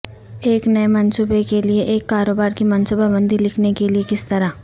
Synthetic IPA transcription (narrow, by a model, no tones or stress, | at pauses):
eːknɐemɐnsuːbekelieʔeːkːaːɾoːbaːɾkimɐ̃nsuːbabə̃nd̪ilɪkʰnekeliekɪst̪ɐɾa